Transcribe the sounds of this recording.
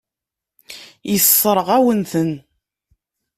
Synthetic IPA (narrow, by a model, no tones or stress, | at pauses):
jəsˤːəɾˤəʁæwənθən